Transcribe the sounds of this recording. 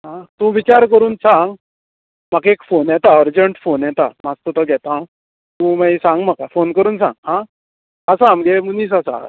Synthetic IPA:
ɦãt̪ũʋit͡ɕaɾk̬əɾuːnsãŋɡ | makekfonjɛt̪aɔɾd͡ʑəɳʈfonjɛt̪amast̪ɔt̪ɔɡʱɛt̪ã | t̪ũmajsãŋɡm̤akafonkəɾuːnsã̰ŋɡɦã | əsãmɡemuniːs̬asa̰

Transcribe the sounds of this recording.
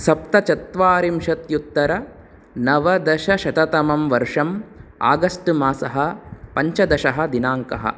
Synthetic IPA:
sɐp̚t̪ɐt͡ʃɐt̪ʋaːɾimʃɐt̪jut̪ːɐɾɐ | nɐʋɐd̪ɐʃɐʃɐt̪ɐt̪ɐmɐmʋɐɾʂɐma̰ːɡɐsʈɨmaːsɐɦɐpɐɲt͡ʃɐd̪ɐʃɐɦɐ̆d̪inaːŋkɐɦɐ̰

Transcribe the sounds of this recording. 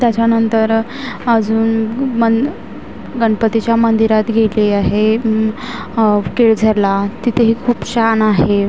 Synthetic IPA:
t̪jat͡ɕjanənt̪əɾ | əd͡zuːnmə | ɡəɳpət̪it͡ɕjamənd̪iɾat̪ɡʱeliaɦe | keɭd͡zʱəɾlat̪it̪ʰeɦikʰuːpɕanaɦe

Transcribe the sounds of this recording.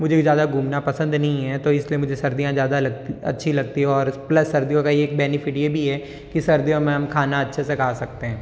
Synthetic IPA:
mʊd͡ʒʱezjaːd̪aɡʱuːmnapɐsə̃nd̪nɐɦĩɦɛt̪oɪsliemʊd͡ʒʱesɐɾd̪ijãzjaːd̪alɐɡt̪iɐ̰tːʃʰilɐɡ̚t̪iɦɛɔːɾplɐsːɐɾd̪ijõkajeeːk̚bɛːnɪfʰɪʈjebʱiɦɛː | kisɐɾd̪ijõmẽɦɐmkʰaːnaɐtːʃʰesekʰaːsɐk̚t̪eɦɛ̃ː

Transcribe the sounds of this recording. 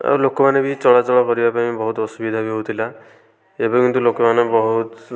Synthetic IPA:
a̰lokɔmanebit͡ʃɔɭat͡ʃɔɭɔkɔɾibapaĩbɔɦut̪ɔsubid̪ʱabiɦout̪ʰila | ebakint̪ulokɔmanɔbɔɦut̪

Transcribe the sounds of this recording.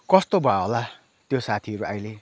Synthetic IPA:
kʌst̪obʱaɦola | t̪josat̪ʰiʌɾuajle

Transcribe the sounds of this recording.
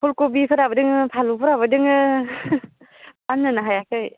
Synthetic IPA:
pʰulkobipʰɯɾabədɯŋpʰalupʰɯɾabɯdɯŋɯ | panːɯnaɦajakɯj

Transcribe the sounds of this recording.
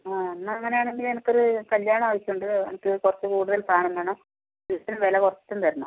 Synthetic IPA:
aːɐnːaŋːɐne̞jaːɳe̞ŋɡilenɐkːo̞ɾukɐljaːɳɐaːʋɐɕːuɳɖɨḛnikʲːoɾukurɐt͡ɕːɨkuːɽuðɐlkaːɳɐnd̪aːɳo | it̪ːinɐmʋeːlɐkurɐt͡ɕːi̥t̪ːunt̪ɐɾunːṵ

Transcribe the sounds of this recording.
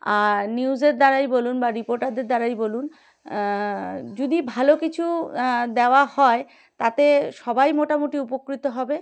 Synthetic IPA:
aniuzeɾd̪aɾajbolunbaɾipoɾʈaɾd̪eɾd̪aɾajbolun | d͡ʑod̪ibʱalokit͡ɕʰud̪eoahɔe | t̪at̪eʃɔbajmoʈamoʈiupokɾit̪oɦɔbe

